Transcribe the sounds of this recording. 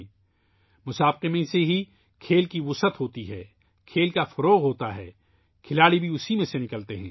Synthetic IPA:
mʊsaːbqemẽseɦi | kʰeːlkiʋʊsət̪ɦoːt̪iɦɛː | kʰeːlkafɐɾoːɣɦoːt̪aɦɛ̰ː | kʰɪlaːɽibʱiʊsimẽsenɪkəlt̪eɦɛ̰̃ː

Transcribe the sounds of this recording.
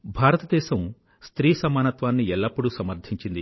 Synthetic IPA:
bʱaːɾɐt̪ɐd̪ɛːʃɐm | st̪ɾiːsɐmaːnɐt̪ʋaːnːiɛlːɐpːuɽusɐmɐɾd̪ʰʱiɲt͡ʃind̪i

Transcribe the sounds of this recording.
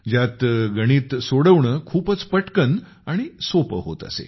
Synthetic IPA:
d͡ʑjat̪ɡəɽ̃iːt̪soɽəʋɳəːkʰuːpət͡spəʈkən | aɽ̃isopəɦo̰t̪ə̰sḛ

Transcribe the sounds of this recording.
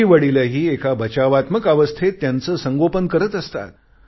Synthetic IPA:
iʋəɽilaɦiːekabʱət͡ɕaʋat̪məkaʋəst̪ʰet̪ːjant͡səːsəŋɡopənkəɾət̪əst̪a̰t̪̚

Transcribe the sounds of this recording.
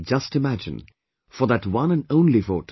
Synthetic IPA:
d͡ʒʌstɨmæd͡ʒɨ̰̃n | fə˞ðɨtwʌ̃nɨ̃nõʊ̃nlivoʊt

